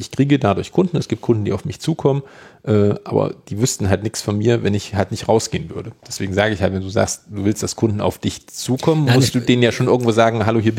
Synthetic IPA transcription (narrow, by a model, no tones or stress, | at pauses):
ʔɪçkʁ̥iːɡədadʊɐçkʰʊnd̥n̩ɛsɡ̥iːp̚t̚kʰʊndn̩diːaʊfmɪçt͡suːkʰɔmənʔɛːʔa̰ːbɐ̰d̥iːvʏstn̩ɦaltnɪçsfɔnmiːɐvɛnɪçhaltnɪçtʁaʊsɡ̥eːənvʏɐdəd̥ɛsv̥eːɡŋ̩zaːɡəɪçhaltvɛnduːza̰ːkst̚d̥uːvɪlstd̥askʰʊndn̩a̰ʊfd̥ɪçt͡suːkʰɔmənmʊstd̥uːdeːnənjaːʃoːnʔɪɐɡŋ̩tv̥oːzaːɡŋ̩ɦaloɦiːɐ